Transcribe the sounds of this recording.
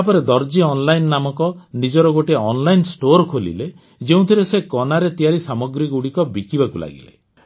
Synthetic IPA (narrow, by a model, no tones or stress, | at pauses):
apɔɾed̪ɔɾd͡ʒiɔnlajnːamɔkɔnid͡ʒɔɾɔɡoʈeɔnlajnsʈoɾkʰolḭle | d͡ʒeũt̪ʰiɾesekɔnaɾet̪ijaɾisamɔɡɾikuɽikɔbikibakula̰ɡḭlḛ